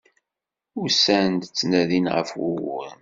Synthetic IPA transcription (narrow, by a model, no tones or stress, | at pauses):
ʊɾsænd̪t͡sːnæðinʁə̰fwʊwə̰n